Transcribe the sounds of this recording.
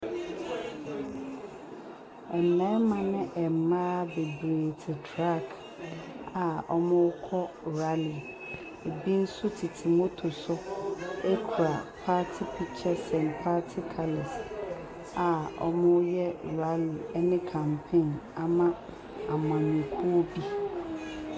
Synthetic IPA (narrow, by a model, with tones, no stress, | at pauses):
ɛ˨m˨ɛ̃˦mã˨nɪ̃˦ʔɛ˨m˨mã˦be˨bɾeː˨tʰɪ˨tʰɾa˦˨kʰ | a˨ɔ˦mʊ̃˦ʊ˦kʰɔ˦˨ɾa˦li˨ | e˨bi˦n̩˦sʊ˦tʰi˨tʰi˨mo˦tʰʊ˨sʊ˦e˦kʰu˨ɾa˨pʰa˦tʰɪ˦pʰi˦t͡ɕʰɛ˦sɛ̃˨npʰa˦tʰɪ˦kʰa˨lɛ˨s | a˨ɔ̰˦mʊ̃˦jɛ˦˨ɾa˦li˨ɛ˦nɪ̃˦kʰã˨mpʰẽ˦˨na˦mã˦ | a˨m˨ã˨ɲĩ˨kʰu˦bi˦